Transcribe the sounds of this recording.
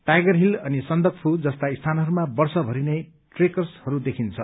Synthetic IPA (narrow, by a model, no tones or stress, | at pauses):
ʈajɡʌrɦilʌnisʌnd̪ʌkpʰud͡zʌst̪aist̪ʰanɦʌɾumabʌrsʌbʱʌɾine | ʈrekʌrshʌɾud̪ekʰint͡sʰʌ̰